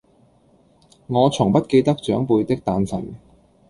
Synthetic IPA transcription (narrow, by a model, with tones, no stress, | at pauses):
ŋɔː˨˧t͡sʰʊ˨˩ŋpɐ˥t̚ke˧jt̪ɐ˥k̚t͡ʃœː˨˥ŋpuː˧jt̪ɪ˥k̚t̪aː˧nsɐ˨˩n